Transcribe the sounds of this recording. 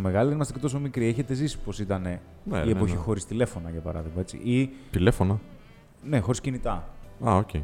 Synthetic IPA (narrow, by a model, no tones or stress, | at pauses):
ome̞ɣɐlit̪enimɐst̪ecet̪oso̞mikɾieçe̞t̪e̞zisi̥po̞sit̪ɐne̞ | n̰iepo̞çixo̞ɾist̪ile̞fo̞nɐʝɐpɐɾɐ̰ðiɣmɐe̞t͡sḭʔit̪ile̞fonɐ | ne̞xo̞ɾiscinit̪ɐɐoce